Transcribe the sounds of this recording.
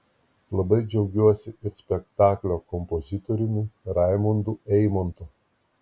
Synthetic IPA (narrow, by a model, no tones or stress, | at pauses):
lˠɐbɐɪd͡ʒʲɛʊɡʲuɔsʲɪɪɾsʲpʲɛkt̪ɑːklʲoːkɔmpɔzʲɪt̪ɔɾʲɪnʲuɾɑɪmʊnd̪uɛɪmɔnt̪ʊ